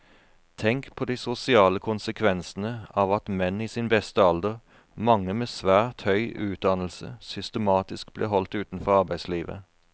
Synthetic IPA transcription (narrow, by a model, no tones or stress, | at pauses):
t̪ʰɛŋkpʰoːd̪iːsʊsɪɑːləkʰʊnsəkʰʋɛnsn̩əɑːʋɑt̪mɛniːsiːnbɛst̪əɑld̪əʁ | mɑŋːəmeːsʋæːt̪hœʏʔʉːt̪̚d̪ɑnl̩sə̰sʏst̪əmɑːt̪ɪsk̚blḛːɦɔlt̪ʉːt̪n̩fɔʁɑʁbæɪsliːʋə̰